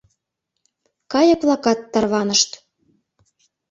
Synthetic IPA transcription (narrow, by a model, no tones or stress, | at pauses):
kɑjɤ̆plˠɑkɑt̪ːɑrβɑnə̆ʃt̪